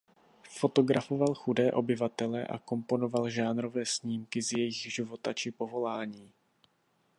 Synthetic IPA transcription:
fo̞t̪o̞ɡɾafo̞valxudɛːʔo̞bɪvat̪ɛlɛʔa̰ko̞mpo̞no̞valʒaːnɾo̞vɛːsɲiːmkɪzjɛjɪɣʒɪvo̞t̪at͡ʃɪpo̞vo̞laːɲiː

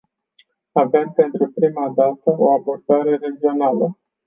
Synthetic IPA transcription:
avempe̞nt̪ɾupɾimad̪at̪əo̞abo̞rd̪aɾe̞ɾe̞d͡ʒio̞nalə

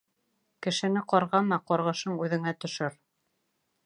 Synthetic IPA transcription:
kɘ̆ʃɘ̆nɘqɒɾʁɑmɑqɒɾʁɤ̆ʃɤɴʉðɘ̆ŋæt̪ɵ̆ʃɘɾ

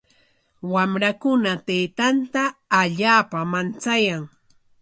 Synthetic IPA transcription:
wamɾakʊnat̪ejt̪ant̪aːʎaːpamant͡sajaŋ

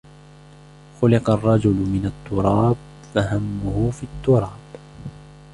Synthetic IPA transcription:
xʊlɪqɑrˤːɑd͡ʒʊlmɪnat̪ːʊɾˤɑːb | faɦamːʊhʊfiːt̪ːʊɾˤɑːb̥

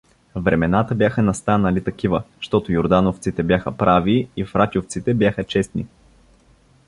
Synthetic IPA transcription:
vɾɛmɛnat̪əbjaxənɐst̪anəlit̪ɐkivəʃt̪ɔt̪ojoɾd̪anoft̪sit̪ɛbʲjaxəpɾaviifɾatʲoft̪sit̪ɛbjaxət͡ʃɛst̪nḭ

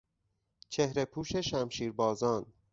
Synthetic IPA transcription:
t͡ʃʰehɾe̞pʰuːʃe̞ʃæmʃiːɾbɒːzɒːn

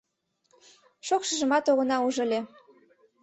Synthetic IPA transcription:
ʃokʃə̆ʒə̆mɑt̪oɣɤ̆nɑuʒɤ̆lʲe

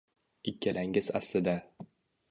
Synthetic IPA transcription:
ɪkʲʰːalaŋɪzaslɪd̪a

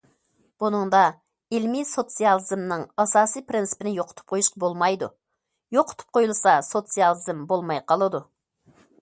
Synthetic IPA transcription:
b̥unɨŋd̪ɑ | ɪlmisot̪sijɑlˠɨzmnɨŋɑsɑːsijpɾɪnsɨ̥pɪnɪjoqʰʊ̥t̪ʰu̥p̚qʰojuʃqɑbolˠmɑjd̪ṵ | joqʰːʊ̥t̪ʰu̥p̚qʰojulˠsɑsot̪sijɑlˠɨzɨmbolˠmɑjqʰɑlˠɨd̪u

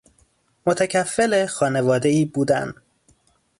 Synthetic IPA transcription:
mot̪ʰæcʰæfːelexɒːne̞vɒːd̪e̞iːbuːd̪æ̰n

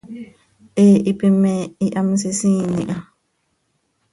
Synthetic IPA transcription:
ʔeipimɛiʔam̩sisiːniʔa

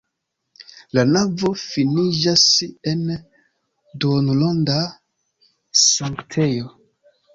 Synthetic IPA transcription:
lanavo̞finid͡ʒasen | donlonda | saŋktʰe̞jo̞

